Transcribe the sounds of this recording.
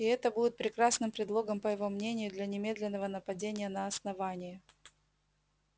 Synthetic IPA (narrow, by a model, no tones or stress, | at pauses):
ɪɛt̪əbudʲɪt̪̚pɾʲɪkɾasnɨmpɾʲɪd̪lˠo̞ɡəmpəjɪvo̞mnʲenʲɪjʊd̪lʲɐnʲɪmʲe̞d̪lʲɪnːəvənəpɐdʲenʲɪjənɐɐsnɐvanʲɪjə